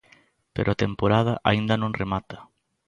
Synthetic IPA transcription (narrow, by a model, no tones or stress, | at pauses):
pḛɾʔʊat̪empoɾaðɐʔa̰ind̪ɐnõŋremat̪ɐ̥